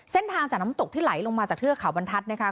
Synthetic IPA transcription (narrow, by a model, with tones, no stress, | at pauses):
se˥˩nt̪ʰaː˧ŋt͡ɕaː˨˩na˦˥˦t̪o˨˩iː˥˩la˩˦jlo˧ŋmaː˧t͡ɕaː˨˩kt̪ʰɯ˥˩əkʰa˨˩˦wba˧nt̪ʰa˦˥t̪̚na˦˥˩kʰa˦˥